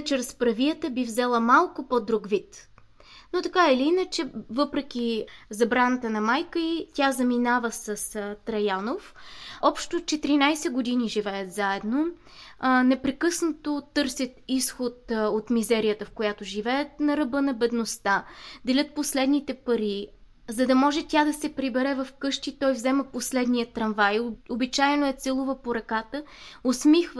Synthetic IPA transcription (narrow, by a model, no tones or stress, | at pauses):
t͡ʃɾɛspɾɐviət̪əbivzɛlˠəmalˠkopod̪ɾuɡvit̪ | not̪ɐkaɛliinət͡ʃɛvɤpɾɛk̟ʲizɐbɾanət̪ənɐmajkəitʲazɐminavəsɐst̪ɾɐjanofɔpʃt̪ot͡ʃɛt̪iɾinajsɛɡod̪iniʒivɛət̪zaɛd̪no | nɛpɾɛkɤsnɐt̪ot̪ɤɾsʲət̪isxot̪ot̪mizɛɾijət̪əfkojat̪oʒivɛət̪nɐɾɐbɤnɐbɛd̪nost̪ad̪ɛlʲət̪̚poslɛd̪nit̪ɛpɐɾi | zɐd̪ɐmɔʒɛt̪ʲad̪ɐsɛpɾibɛɾɛvɐfkɤʃt̪it̪ɔjvzɛməposlɛd̪nijət̪ɾɐnvajobit͡ʃajɛnoɛt̪sɛlˠovəpoɾɐkat̪əosmixv